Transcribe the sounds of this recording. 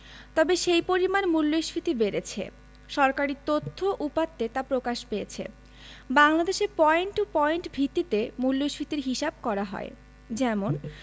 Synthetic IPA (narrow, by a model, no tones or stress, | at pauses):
t̪ɔbeʃejpoɾimanmulːojʃfit̪ibeɾet͡ɕʰḛ | ʃɔɾkaɾit̪ot̪ʰːoʔupat̪ːet̪apɾokaʃpeet͡ɕʰḛ | baŋlad̪eʃeɾpɔeɳʈopɔeɳʈbʱit̪ːit̪emulːojʃfit̪iɾɦiʃab̚kɔɾaɦɔ̰e | d͡ʑɛmon